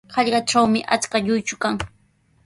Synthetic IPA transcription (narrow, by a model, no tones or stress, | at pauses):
hɑʎɢɑʈ͡ʂawmɪʔa̰t͡skaʎʊjt͡ʃʊkaŋ